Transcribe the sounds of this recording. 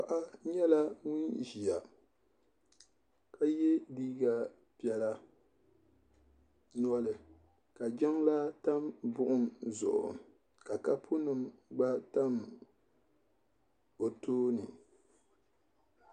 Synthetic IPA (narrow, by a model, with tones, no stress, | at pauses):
a˨ʔa˦ɲɛ˦la˦ŋʊ˦nʒi˨a˨ | ka˦jɛ˦diː˦ɡa˨ | pi˦ɛ˨la˦ | n˦ɔ˦lɨ˨ | ka˨d͡ʒɛ˦ŋla˦ta˦mbʊ˦ʔʊ˦mzʊ̰˨ʔʊ̰˨ | ka˨ka˦pʰʊ˦nɨ˨mɡ͡ba˦ta˦m | bo˨toː˦nɨ˨